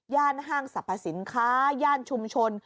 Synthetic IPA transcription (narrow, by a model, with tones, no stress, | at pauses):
jaː˥˩nɦaː˥˩ŋsa˨˩pʰːa˧si˩˦nkʰaː˦˥jaː˥˩nt͡ɕʰu˧mt͡ɕʰo˧n